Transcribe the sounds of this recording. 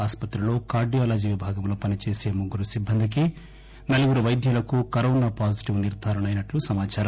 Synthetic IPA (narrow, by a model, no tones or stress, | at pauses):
aːspɐt̪ɾulo̞ːkaːɾɖijaːlaːd͡ʒiːʋibʱaːɡɐmloːpɐnit͡ʃe̞ːse̞ːmuɡːuɾusibʱːɐnd̪ik̬i | nɐlɐɡuɾuʋɐjd̪ʱjɐlɐkukɐɾɐunɐpaːd͡ʒiʈiʋniɾd̪ʱaːɾɐɳɐjnɐʈlusɐmaːt͡ʃaːɾɐm